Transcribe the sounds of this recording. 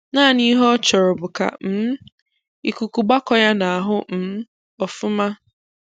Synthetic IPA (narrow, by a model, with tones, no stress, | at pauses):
na˦˨ni˦ɦɔ˦t͡ʃɔ˨ɾɔ˨bʊ˨ka̰˨m̩˦ | i˨ku˨ku˨ɡ͡ba˦kɔ˦ja˦na˨a˨ɦʊ˦m̩˨˦ | ɔ˨fʊ˦ma˦